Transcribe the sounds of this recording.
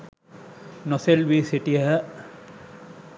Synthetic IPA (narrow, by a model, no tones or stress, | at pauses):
noselʋiːsiʈijəɦə